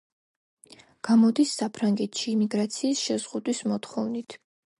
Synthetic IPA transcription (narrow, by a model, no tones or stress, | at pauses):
ɡ̥amɔd̪isːapʰɾaŋɡɛt̪ʰʃiːmiɡɾat̪sʰiːsʃɛzʁud̪wismɔt̪χɔvnit̪ʰ